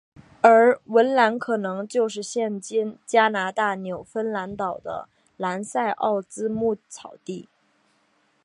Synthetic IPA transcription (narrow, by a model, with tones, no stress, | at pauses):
ə˞˧˥wə˧˥nla˧˥nkʰɤ˨˩nɤ˧˥ŋt͡ɕjo˥˧ʊʂɻ̩˥˩˧ɕjɛ˥˩nt͡ɕi˥nt͡ɕja˥na˧˥t̪a˥˩njo˨˩ʊfə˥nla˧˥nt̪ɑ˨˩ʊd̪ə̰˦ | la˧˥nsa˥˧ɪʔɑ̰˥˩ʊt͡sɹ̩˥mu˥˩t͡sʰɑ˨˩ʊt̪i˥˩